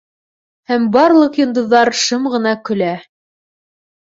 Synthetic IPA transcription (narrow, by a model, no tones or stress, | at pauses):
hæmbɑɾlˠɤqjɤ̆nd̪ɤ̆ðːɑɾʃɤmʁɤ̆nɑkɵ̆læ